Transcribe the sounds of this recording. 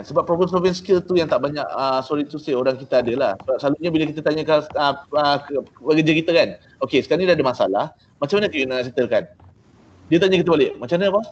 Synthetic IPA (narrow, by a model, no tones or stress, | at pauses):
kansəbapːɾobɛmpɾovɛnskəlt̪ujaŋt̪aʔbaɲaʔəsoɾit̪usəoɾaŋkit̪aːdəlahsəbap̚slaluɲabilakit̪at̪aɲakaəəbaɡəd͡ʒakit̪akan | okesə̥kaɾanidaadəmasa̰lah | mat͡ʃamanəkəunas̬it̪əlkan | diət̪aɲakit̪əbalɪʔmat͡ʃamanapa